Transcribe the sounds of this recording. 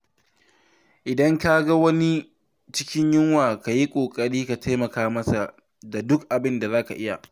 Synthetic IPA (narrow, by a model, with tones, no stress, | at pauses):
ʔɪ˨dɐ˦ŋka˦ɡa˦wɐ˦ni˦ | t͡ʃɪ˦kʲɪ˦ɲjɪ˦ŋwaː˨ka˨ji˦kʷʼoː˨kʼɐ˦ɽiː˦ka˨tʰa˦jmɐ˨kaː˦mɐ˦sa˨ | da˨dʊ˦kʔa˨bɪ˦nda˨zaː˦ka̰˨ʔɪ˦ja˨